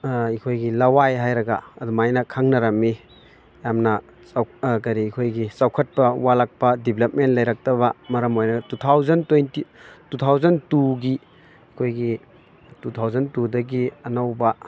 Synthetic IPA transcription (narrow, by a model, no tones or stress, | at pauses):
ikʰojɡilɐwajɦajɾɐɡaɐdumajnɐkʰaŋnɐɾɐmːi | jamnɐ | sawkɐɾiikʰojɡisawkʰɐt̚pɐwalak̚pɐdiblɐp̚mentlɐjɾak̚tɐbɐmɐɾɐmojnɐtutʰawzɐntojntitutʰawzɐntuɡi | ikʰojɡi | tutʰawzɐntudɐɡiɐnɐwbɐ